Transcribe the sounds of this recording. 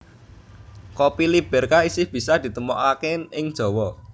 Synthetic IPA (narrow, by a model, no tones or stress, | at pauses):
kopilib̥ɛ̤rkaisɪhb̥i̤sad̪̥i̤t̪əmɔʔakeɪŋd̥ʒ̥ɔ̤wɔ